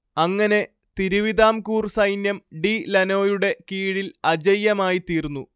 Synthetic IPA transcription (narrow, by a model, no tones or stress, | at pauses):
ɐŋːɐne̞ | t̪iɾuʋid̪aːmkuːrsɐjnjɐmɖilɐno̞ːjuɽe̞kiːɻilɐd͡ʑɐjːɐmaːjit̪iːrnːu